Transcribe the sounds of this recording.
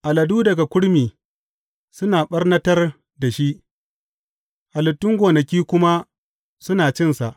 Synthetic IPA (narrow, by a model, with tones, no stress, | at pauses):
ʔa˨lɐ˨duː˦dɐ˨ɡa˨kʷʊ˦ɽmiː˨ | sʊ˦naː˨ɓɐ˦rnɐ˦tɐ˦r | da˨ʃi˦ʔ | ʔa˨lʊ˨tːʊ˦ŋɡʷoː˨nɐ˨kʲiː˦kʷʊ˦ma˦ | sʊ˦naː˨t͡ʃɪ˦nsa˨ʔ